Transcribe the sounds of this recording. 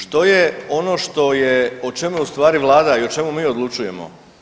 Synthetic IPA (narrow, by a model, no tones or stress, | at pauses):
ʃt̪o̞jeo̞no̞ʃt̪o̞jeot͡ʃe̞muust̪ʋaːɾiʋlˠaːd̪aiot͡ʃe̞mumiːo̞d̪lˠut͡ʃuje̞̰mo̰